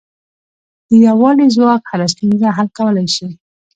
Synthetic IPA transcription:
d̪̥əjawɑlizwɑkhalast̪iŋɡaɦalkawəlajʃi

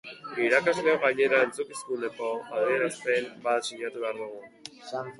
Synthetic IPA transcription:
iɾakazleoɣaɲe̞ɾae̞nt͡sukiskund̪e̞ko̞aðieɾase̞mbat̪t͡ʃiɲat̪uβeaɾðuɣ̞u

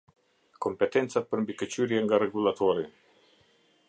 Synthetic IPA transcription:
kɔmpɛt̪ɛnt̪t͡sapəɾmbikət͡ɕyɾjɛŋɡaɾɛɡulat̪ʰɔɾi

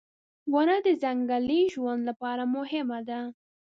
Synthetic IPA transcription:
wanad̪əzaŋɡaliʒwand̪lapɑɾamʊɦɪmad̪a

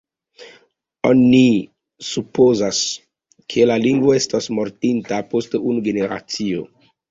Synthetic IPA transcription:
oni | supo̞zas | kʰe̞laliŋɡvo̞e̞stasmo̞ɾtintapo̞stunuɡe̞ne̞ɾa̰t͡sio̞̰

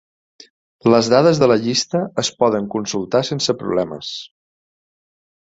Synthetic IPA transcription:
ləzðaðəzðələʎist̪əːspɔðəŋkunsulˠt̪asensəpɾṵβlɛmə̰s

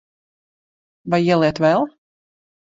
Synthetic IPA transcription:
vajɛlˠɛt̪ʋɛlˠ

